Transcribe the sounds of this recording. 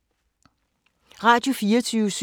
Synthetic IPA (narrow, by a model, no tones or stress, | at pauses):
ʁɑ̈ːd̥jo̝fiːɐt͡sʰyːʊəs